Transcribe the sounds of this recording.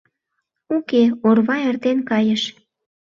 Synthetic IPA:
ukeorβɑert̪enkɑjə̆ʃ

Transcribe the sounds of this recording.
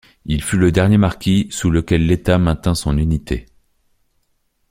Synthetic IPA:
ilfyləd̪ɛʁnjemaʁkʲisuləkʲɛlːet̪amɛ̃t̪ɛ̃sɔ̃nynit̪ʰḛ

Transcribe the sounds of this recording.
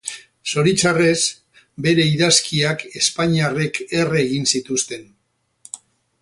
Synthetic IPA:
so̞ɾit͡sare̞s | be̞ɾe̞iðaskiake̞spaɲiare̞kʰe̞reɣ̞insit̪ust̪e̞n

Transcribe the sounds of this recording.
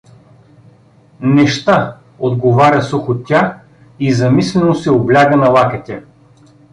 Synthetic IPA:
nɛʃt̪a | od̪ɡovaɾʲɐsuxott̪ʲːa | izɐmislɛnosɛoblʲaɡənɐlˠakɛt̪ʲɛ

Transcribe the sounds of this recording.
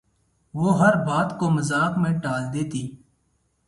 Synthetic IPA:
ʋoːɦəɾbaːt̪koːməzaːkmẽːʈaːld̪eːt̪iː

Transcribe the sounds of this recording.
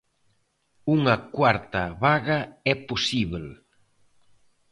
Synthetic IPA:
uŋɐkwaɾt̪ɐβaɣɐɛposiβl

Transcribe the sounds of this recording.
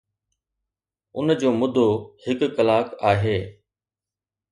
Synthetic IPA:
ʊnd͡ʑoːmʊd̪ʱohɪkːəlaːkaːɦeː

